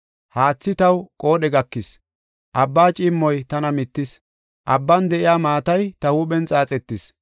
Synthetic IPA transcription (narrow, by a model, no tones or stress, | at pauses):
haːt͡sːɪt̪ɐwkʼo̞ːɗɛɡɐkːɪs | ʔɐbːaːt͡ʃʼɪmːɔjt̪ɐnɐmɪt̪ːɪs | ʔɐbːɐnd̪ɛʔɪjaːmaːt̪ɐjt̪ɐhuːɓɛnt͡sʼaːt͡sʼɛt̪ːɪs